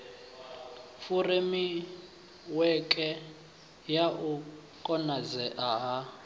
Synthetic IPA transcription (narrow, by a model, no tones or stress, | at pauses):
furemi | wɛkʼɛ | jaʔu | kʼɔnazɛʔaɦa